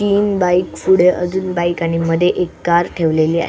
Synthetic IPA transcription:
t̪iːnbajkfuɽeʔə̰d͡zuːnbajkañiməd̪ʱːjeʔekːaɾʈʰeʋleliːa̰ɦ

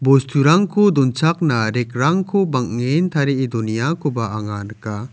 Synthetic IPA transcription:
bɔst̪uɾaŋkʰɔd̪ɔnt͡ʃaknaɾɛkɾaŋkʰɔbaŋŋent̪ʰaɾeid̪unijakɔbaaŋanka

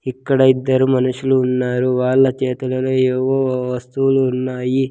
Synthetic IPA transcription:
ikːɐɽɐid̪ːɐɾumɐnuʂuluːnːaːɾuʋaːɭːɐt͡ʃeːt̪ɐlɐleːeːʋoːʋɐst̪uluːnːaːji

